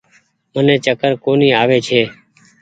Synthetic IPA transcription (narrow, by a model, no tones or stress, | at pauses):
mənẽːt͡ʃəkəɾkoːniːaːʋeːt͡ʃʰeː